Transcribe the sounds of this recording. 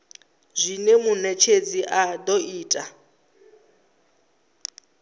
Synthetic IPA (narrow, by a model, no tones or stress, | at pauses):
zʷinemunɛt͡ʃʰed͡ziʔadɔiːtʼa